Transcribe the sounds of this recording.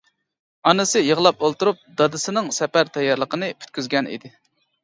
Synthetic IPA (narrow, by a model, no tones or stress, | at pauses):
ɑnɨsɨjəʁlˠɑp̚olˠt̪uɾup̚d̪ɑd̪ɨsɨnɨŋsɛpæɾt̪ʰɛjːɑɾlˠəqənɨpʲʰy̥t̪̚kʲyzɡʲɛnḭd̪ɪ